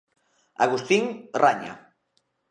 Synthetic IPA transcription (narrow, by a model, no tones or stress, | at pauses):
aɣust̪iŋraɲa̰